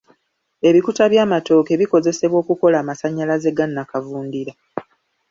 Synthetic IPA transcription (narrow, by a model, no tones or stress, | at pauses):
e̞βikutaβjaːmato̞ːke̞βiko̞ze̞se̞βwo̞ːkuko̞laːmasaɲːalaze̞ɡanːakavuːndiɾa